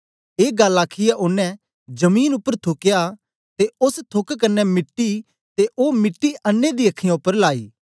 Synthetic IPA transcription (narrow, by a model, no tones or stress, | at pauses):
eːɡəlaːkʰːijɛʔʊnːɛ̃ | d͡ʒəmiːnʊpːəɾt̪ʰʊkɪja | t̪eʊst̪ʰʊkkənːɛmɪʈːi | t̪eʔoːmɪʈːiənːẽd̪iːɐkʰːijãʊpːəɾlaːiː